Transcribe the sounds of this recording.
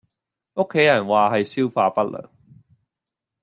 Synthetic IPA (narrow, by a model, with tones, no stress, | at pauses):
ʔo˥kʰːe˨˥jɐ˨˩nwaː˨˩hɐ˨jsi˥wfaː˧pɐ˦˥t̚lə̰˨˩ŋ